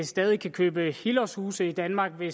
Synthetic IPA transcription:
sd̥ɛːð̞ˠikʰækʰøːb̥əhilɒshuːsəid̥ænmɑ̈ːɡ̥ʋe̝

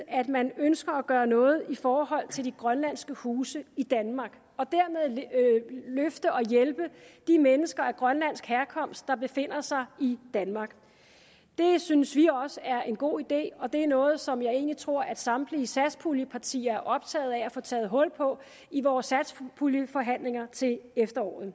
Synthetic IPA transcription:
æd̥mænønsɡ̥ɐæɡ̥ɶːɐnɔ̽ːð̞̩ˠifɒːɦɒ̽l̰t͡sʰe̝ld̥iɡ̥ʁɶnlæn̰sɡ̥əhuːsəid̥ænmɑ̈ɡ̥ | ɒ̽d̥æɐ̰með̞̰ˠ | løfd̥əɒ̽jelb̥əd̥imenəsɡ̥ɐæɐɡ̥ʁɶnlænsɡ̥hæɐkʰɒ̽m̰sd̥̚ɑ̈b̥e̝fe̝n̰ɐsɑ̈ɪid̥ænmɑ̈ːɡ̥ | d̥e̝synəsʋiɒ̽səæɐʔe̝nɡ̥o̝̰ːid̥e̝̰ːɒ̽d̥e̝æɐnɔ̽ːð̞̩ˠsɒ̽mjɑ̈ɪe̝̰ːnlit͡sʰʁo̝ɐ̰ʔæd̥sɑ̈md̥liːsæ̥spʰuljəpʰɑ̈t͡sʰḭːɐæɐʔɒ̽b̥̚t͡sʰɛ̰ːð̩ˠææfɔ̽ːt͡sʰɛ̰ːð̞̩ˠɦɔ̽l̰pʰɒ̽ | iʋɒːsæ̥spʰuljəfɒ̽ɦæn̰le̝ŋɐt͡sʰe̝lefd̥ɐɒ̰ːð̩ˠ

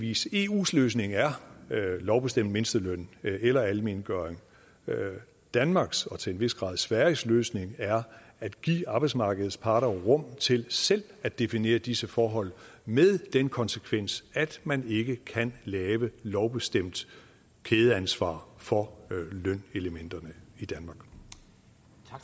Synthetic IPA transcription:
ḭːse̝ːṵːsløːs̬ne̝ŋæɐlɒʊb̥e̝sd̥em̰d̥me̝nsd̥əløn̰elɐælme̝nɡ̥œːeŋ | d̥ænmɑ̈ːɡ̥sɒ̽t͡sʰe̝lenʋe̝sɡ̥ʁɑ̰̈ːð̞ˠsʋæɐisløːsne̝ŋæɐ | æd̥ɡ̥ḭːɑ̈b̥ɑɪ̥smɑ̈ːɡ̥əð̩ˠspʰɑ̈ːɾɐʁɔ̽m̰t͡sʰe̝lsel̰æ̥e̝fine̝̰ːɐd̥isəfɒːɦɒ̽l̰meðˠd̥enkʰɒ̽nsəkʰʋen̰sæd̥mæne̝ɡ̥əkʰænlɛːʋəlɒʊb̥e̝sd̥em̰d̥ | kʰeːð̞ˠəænsʋɑ̰̈ːfɒ̽lœn̰e̝ləmen̰d̥ɐnəid̥ænmɑ̈ɡ̥

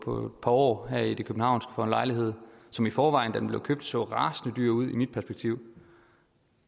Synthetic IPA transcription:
pʰɒ̽e̝d̥pʰɑ̈ɒ̰ːɦæɐ̰id̥e̝kʰøb̥n̩hɑ̈ʊ̰nsɡ̥ə̥fɒ̰ːenlɑ̈ɪliɦe̝ð̞̰ˠsɒ̽mifɒːʋɑ̈ɪn̩d̥æd̥enmble̝ʊkʰøb̥̚d̥sɔ̰̽ːʁɑ̈ːsnəd̥yɐ̰uð̰ˠimid̥pʰæɐsb̥eɡ̥̚t͡sʰiʊ̰

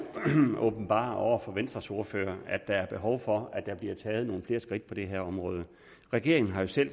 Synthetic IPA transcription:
ɔb̥n̩b̥ɑ̰̈ːɒʊ̰ɐfɒ̽ʋensd̥ʁɐso̝ɐfø̰ːɐæ̥ɑ̈æɐb̥e̝ɦɒ̽ʊfɒ̽æd̥ɑ̈b̥liɐt͡sʰɛːð̞̩ˠno̝ːn̩fle̝ːɐsɡ̥ʁid̥̚pʰɒ̽d̥eɦeɐ̰ɒ̽mʁɔ̽ːð̞ˠə | ʁɛɡ̥e̝ɐ̰eŋn̩ɦɑ̈jo̝sel̰

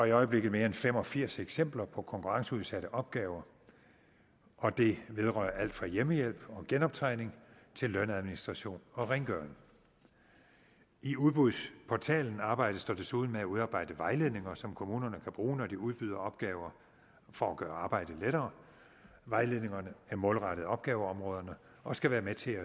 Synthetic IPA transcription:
ɒ̽iɒ̽ɪəb̥le̝ɡð̩ˠme̝ːɐenfem̰ɒ̽fiɐ̰seɡ̥sem̰b̥lɐpʰɒ̽kʰɒ̽ŋkʰuʁɑ̈ŋsəuð̞ˠsæɾ̥əʔɒ̽b̥̚ɡ̥ɛːʊɐ | ʔɒ̽d̥e̝ʋe̝ð̞ˠʁœːɐæl̰d̥fʁɑ̈jeməjel̰b̥ɒ̽ɡ̥enɒ̽b̥̚t͡sʰʁɑ̈ɪ̰ne̝ŋt͡sʰe̝lːønæð̞ˠminisd̥ʁɑ̈ɕo̝̰ːnɒ̽ʁeŋɡ̥ɶɐn | iuð̞ˠb̥ʁuðˠspʰɒt͡sʰɛ̰ːln̩ɑ̈ːb̥ɑ̈ɪ̰d̥əsd̥ɒd̥e̝suð̞ˠn̩meæuð̞ˠɑ̈ːb̥ɑ̈ɪ̰d̥əʋɑ̈ɪle̝ð̞̰ˠne̝ŋɐsɒ̽mkʰo̝muːnɐnəkʰæb̥ʁuːnɒd̥iuð̞ˠb̥yðˠɐɒ̽b̥̚ɡ̥ɛːʊɐ | fɒ̽ɒɡ̥ɶːɐɑ̈ːb̥ɑ̈ɪ̰d̥əleɾɐː | ʋɑ̈ɪle̝ðˠne̝ŋɐnəæɐmɔ̽ːlʁɑɾ̥ðˠɒ̽b̥ɡ̥ɛːʊəɒ̽mʁɔ̽ːðˠɐnə | ʔɒ̽sɡ̥æʋæːɐmet͡sʰe̝æ

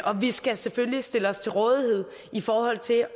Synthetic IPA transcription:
ʔɒ̽ʋisɡ̥æseføljisd̥e̝ləɒ̽st͡sʰe̝lʁɔ̽ːð̞ˠihe̝ð̞̰ˠ | ifɒːhɒ̽l̰t͡sʰe̝

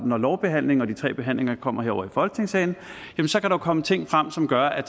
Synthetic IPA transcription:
nɒlɒʊb̥e̝ɦæn̰le̝ŋɒ̽d̥it͡sʰʁɛ̰ːb̥e̝ɦæn̰le̝ŋɐkʰɒ̽m̰ɐeɐ̰ɒ̰ʊɐifɒ̽lɡ̥ne̝ŋsɛɪn̩ | jæmnsɒ̽kæɾäjʊkʰɒ̽mət͡sʰe̝ŋ̰fʁam̰sɒ̽mɡ̥ɶɐʔæ̥

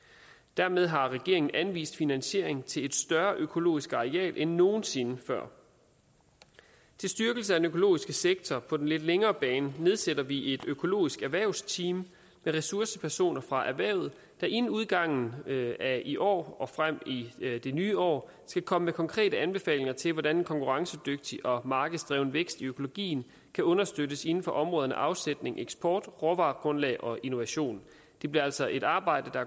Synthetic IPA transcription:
d̥æɐmeð̞ˠɦɑ̈ʁɛɡ̥e̝ɐ̰e̝ŋn̩ʔænʋḭːsd̥finænɕe̝ɐ̰e̝ŋt͡sʰe̝le̝d̥sd̥ɶɐʔøkʰo̝lo̝̰ːisɡ̥ɑ̈ʁeɛ̰ːlʔenːo̝ːn̩se̝nəfɶɐ̰ | t͡sʰe̝lsd̥yɐɡ̥l̩səæd̥enøkʰo̝lo̝̰ːisɡ̥əseɡ̥̚t͡sʰɒpʰɒ̽d̥enle̝d̥leŋɐːb̥ɛːnəne̝ð̞ˠsed̥ɐʋiʔe̝d̥økʰo̝lo̝̰ːisɡ̥æɐʋæɐʊst͡sʰiːmː | eʁɛsuɐsəpʰæɐso̝̰ːnɐfʁɑ̈ʔæɐʋæɐ̰ʊð̩ˠ | d̥ɑ̈ʔenn̩uð̞ˠɡ̥ɑ̈ŋ̰n̩æiʔɒ̰ːɒ̽fʁam̰id̥e̝nyːɒ̰ː | sɡ̥ækʰɒ̽məmekʰɒ̽ŋkʰʁɛ̰ːdəænb̥e̝fɛ̰ːle̝ŋɐt͡sʰe̝lʋɒdænenkʰɒ̽ŋkuʁɑ̈ŋsəd̥øɡ̥̚d̥iʔɒ̽mɑ̈ːɡ̥ð̩ˠsd̥ʁɛːʊnəʋeɡ̥sd̥iøkʰo̝lo̝ɡ̥ḭːn̩ | kʰæɔ̽nɐsd̥ødəse̝n̩fɒ̽ʔɒ̽mʁɔ̽ːð̞ˠɐnə̰ʔɑ̈ʊsed̥ne̝ŋʔeɡ̥sb̥ʰɒːd̥ʁɒʋɑ̰̈ːɡ̥ʁɔ̽nlɛ̰ːʔɒ̽ʔino̝ʋæɕo̝̰ːn | d̥e̝b̥liɐæl̰sɒ̽ʔe̝ɾ̥ɑ̈ːb̥ɑ̈ɪ̰d̥əd̥ɑ

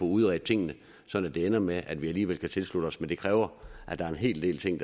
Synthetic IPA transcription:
ɔuðˠʁɛ̰d̥̚t͡sʰe̝ŋ̰nə | sɒ̽n̰æd̥e̝enɐmeʔæd̥ʋiæliːʋel̰kʰæt͡sʰe̝lslud̥əɒ̽smend̥e̝kʰʁɛːʊɐʔæd̥ɑ̈ɐe̝nɦe̝̰ːld̥e̝̰ːlt͡sʰe̝ŋ̰d̥

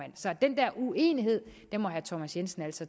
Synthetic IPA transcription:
æn̰sɒ̽d̥end̥ɛɐ̰ʔue̝̰ːniɦe̝ð̞̰ˠd̥enmɒ̽ɦæt͡sʰɒmæsjensn̩æl̰sɒ̽

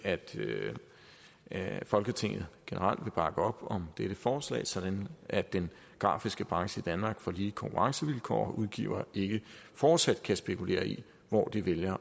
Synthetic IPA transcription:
æd̥ | fɒ̽lɡ̥ət͡sʰe̝ŋ̰ð̩ˠɡ̥e̝nʔəʁɑ̈l̰d̥ʋe̝b̥ɑ̈ɡ̥əɒ̽b̥ɒ̽md̥eɾ̥əfɒːslɛ̰ːɪsɒ̽d̥ænʔæd̥en | ɡ̥ʁɑ̰̈ːfisɡ̥əb̥ʁɑ̈ŋsəid̥ænmɑ̈ːɡ̥fɒ̽liːkʰɒ̽ŋkʰuʁɑ̈ŋsəʋilkʰɒ̰ɒʔuðˠɡ̥ḭːʊɐʔe̝ɡ̥əfɒːd̥sæd̥̚kʰæsb̥e̝kʰule̝̰ːɐi | ʋɒ̰d̥iʋeljɐ

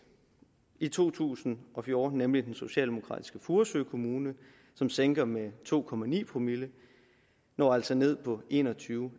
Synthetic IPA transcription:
it͡sʰo̝̰ːt͡sʰṵːsn̩ɒ̽fjɔ̝ːd̥n̩ːemlid̥enso̝ɕɛ̰ːld̥e̝mo̝kʰʁɑ̰̈ːd̥i̥sɡ̥əfuɐsøːkʰo̝muːnə | sɒ̽mseŋɡ̥ɐmet͡sʰo̝̰ːkʰɒ̽mænḭːpʰʁomilə | nɒːæl̰sɒ̽ne̝ð̞̰ˠpʰɒ̽ʔe̝̰nɒt͡sʰyːʊ

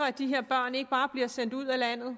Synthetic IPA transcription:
ɐæd̥iɦe̝ɐ̰b̥ɶɐ̰ne̝ɡ̥əb̥ɑ̈ːb̥liɐsen̰d̥uð̞̰ˠælæn̰ð̞̩ˠ

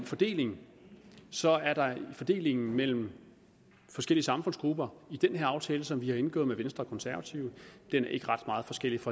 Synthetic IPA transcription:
nfɒ̽d̥e̝̰ːle̝ŋ̩ | sɒ̽æɐɾ̥ɑ̈fɒ̽d̥e̝̰ːle̝ŋn̩mel̰m̩ | fɒsɡ̥el̰iəsɑ̈mfɔ̽n̰sɡ̥ʁub̥ɐid̥enheɐɑ̈ʊt͡sʰɛːləsɒ̽mʋihɑ̈e̝nɡ̥ɔ̰ːð̩ˠmeʋensd̥ʁɐɒkʰɒ̽nsæɐʋæt͡sʰiʊəd̥enæɐe̝ɡ̥əʁɑ̈d̥mɑ̈ːð̞̩ˠfɒ̽sɡ̥el̰ifɒ̽

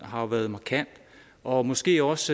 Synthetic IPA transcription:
ɦɑ̈ʋæːɐðˠmɑ̈kʰæn̰d̥ | ʔɒ̽mɒ̽sɡ̥e̝̰ːɒ̽s

